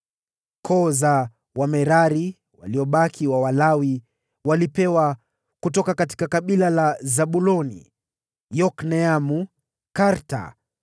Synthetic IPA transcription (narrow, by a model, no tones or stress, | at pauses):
kʰɔza | wamɛɾaɾi | wa̰liɔɓakʰiwawalawi | walipɛwa | kutɔkakati̥kakaɓilalazaɓulɔnḭ | jɔknɛamu | kaɾta̰